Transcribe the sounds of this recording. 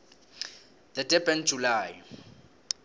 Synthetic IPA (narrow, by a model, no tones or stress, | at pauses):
d̪ɛdɛbʼɛnd͡ʒʱulaːj